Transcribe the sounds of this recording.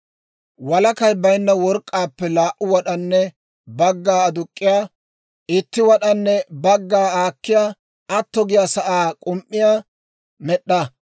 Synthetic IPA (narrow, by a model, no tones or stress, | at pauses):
wɐlɐkɐjbɐjnːɐwɔɾkʼːaːpːɛlaːʔʊwɐɗɐnːɛ | bɐɡːaːɐd̪ʊkʼːɪjaː | ɪt̪ːɪwɐɗɐnːɛbɐɡːaːaːkːɪjaː | ɐt̪ːɔɡɪjasɐʔaːkʼʊmʔːɪjaː | mɛɗːɐ